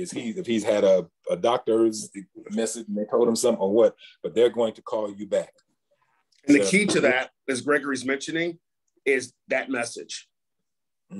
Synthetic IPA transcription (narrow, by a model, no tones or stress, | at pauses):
ɨz̥hiɨfhiz̥ɨɾʌ | ədɑk̚tə˞zðeɪɪɾ̚ɨmɛsɨd͡ʒn̩ðeɪtʰoʊlˠd̚ə̃msʌ̃mθɪ̃ŋəwʌt̚b̥ʌt̪̚ðə˞ɡoʊɪ̃ŋtʰə̥kʰɔlˠjɨbæk̚ | ɨ̃n̩ðɨkʰiɾɨðɨt̚ɨzɡɹɛɡə˞izmɛ̃nʃɨ̃nɪ̃ŋ | ɪzðɨt̚mɛsɪ̰d̥ʒ̥